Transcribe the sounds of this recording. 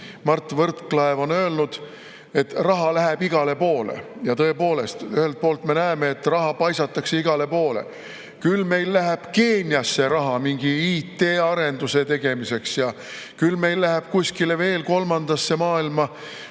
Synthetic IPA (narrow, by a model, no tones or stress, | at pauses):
mɑrt̪ːˑvɤrt̪klɑevo̞nø̞ːlnud̪̥ | e̞t̪rɑɦɑlæɦɛb̥iɡ̥ɑle̞po̞ːlḛjɑt̪ɤ̞e̞po̞ːle̞st̪yhe̞lt̪̚po̞ːlt̪me̞næemeːt̪ːrɑɦɑpɑjsɑt̪ːˑɑkse̞iɡ̥ɑle̞po̞ːlḛ | kylme̞jlːæɦeb̥ke̞ːnʲjɑsːe̞ɾɑɦɑmiŋɡ̥iiːt̪ːˑe̞ːɑɾe̞nd̪̥use̞t̪e̞ɡ̥e̞mise̞ksjɑ | kylme̞jlːæhæb̥kusʲkileve̞ːlko̞lmɑnd̪̥ɑsːe̞mɑːilmɑ